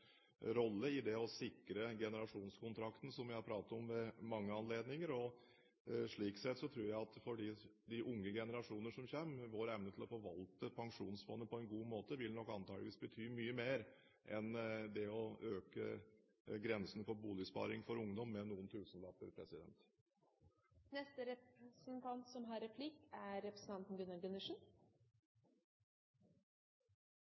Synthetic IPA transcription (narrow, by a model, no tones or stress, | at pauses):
ɾɔlːəɪd̪ɛɔsɪkɾəɡɛnəɾɑʂuːnskʊnt̪ʰɾɑkt̪n̩sɔmʋɪhɑɾpʰɾɑːt̪ɑɔmʋɛmɑŋːəɑnleːd̪nɪŋəɾɔ | ʂɭiːksɛt̪ːsɔt̪ʰɾuːɾjæɪɑt̪fɔɖiːd̪ɪʔʊŋːəɡɛnəɾɑʂuːnənəʂɔmçeːmʋoːɾɛmnət̪ʰɪlɔfɔʋɑlt̪əpʰɑŋʂuːnsfɔnːəpʰɔɛnɡuːmoːt̪əʋɪlnɔkːɑnt̪ʰɑːɡləʋiːsbət̪ʰyːmyːəmeːɾ | ʔɛnd̪ɛɔøːkə | ɡɾɛnsn̩fɔɾbuːlɪspɑ̰ːɾɪŋfɔɾʊŋd̪ɔmːɛnuːənt̪ʰʉːsnlɑːpə̰ɾpʰɾɛsɪd̪ɛ̰nt̪ | nɛst̪əɾɛpɾɛsənt̪ʰɑnt̪sɔmɦɑɾɛpʰlɪkæɾɛpɾəsn̩t̪ɑnt̪n̩ɡʉnːɑɡʉnːəʂn̩